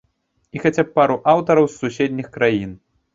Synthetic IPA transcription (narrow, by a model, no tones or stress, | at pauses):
ixat͡sʲapːaɾuʔawt̪ɐɾɐwsːusʲɛd̪ʲnʲixkɾajin